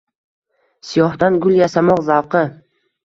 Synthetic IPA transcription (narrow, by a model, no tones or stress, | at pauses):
sijɒhd̪anɡʊljasamɒqzawqʰɨ